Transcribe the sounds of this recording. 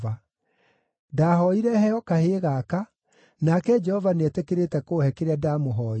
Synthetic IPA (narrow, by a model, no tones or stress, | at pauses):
va | daːɦɔiɾɛhɛɔkaheːɣaːka | nakɛd͡ʒɛhɔvanɛtɛkeɾetɛkoːhɛkeɾeadaːmoɦɔː